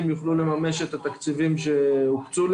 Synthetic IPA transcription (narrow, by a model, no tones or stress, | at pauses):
mjuχlule̞mame̞ʃe̞t̪at̪akt͡sivimʃe̞ukt͡sul